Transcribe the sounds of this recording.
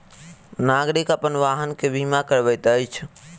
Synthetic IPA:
naɡɾikəpənʋaɦənkebʱimakəɾbəjt̪əjt͡ʃʰ

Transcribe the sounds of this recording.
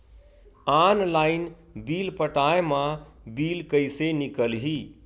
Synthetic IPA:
aːnlaːɪn | biːlpəʈaːemã | biːlkəjsenikəlɦiː

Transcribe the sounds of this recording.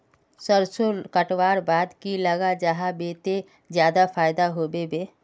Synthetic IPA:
səɾsolkəʈwaːɾbaːd̪kiləɡad͡ʒaɦabeːt̪e | d͡ʒjaːd̪apʰaːjd̪aɦoːbebeː

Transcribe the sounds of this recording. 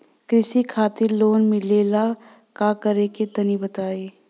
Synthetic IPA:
kɾɪsikʰaːt̪ɪɾloːnmɪleːla | kaːkɐɾeket̪ɐnibɐt̪aːeː

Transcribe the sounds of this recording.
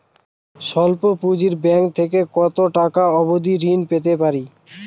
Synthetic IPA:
ʃɔlpopud͡ʑiɾbɛŋkt̪ʰekekɔt̪oʈakaɔbod̪iɾinpet̪epaɾi

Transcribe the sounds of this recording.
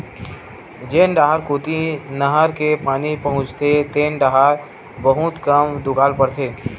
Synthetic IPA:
d͡ʒeːnɖaːɦaɾkoːt̪inɐɦəɾkepaːnipɐɦʊ̃t͡ʃt̪ʰet̪eːnɖaːɦaɾ | bəɦʊt̪kəmd̪ʊɡaːlpəɾt̪ʰeː

